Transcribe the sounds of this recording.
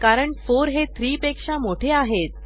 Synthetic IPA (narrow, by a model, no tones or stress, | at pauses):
kaɾəɳfoɾɦet̪ʰɾiːpekʂamoʈʰeaɦet̪̚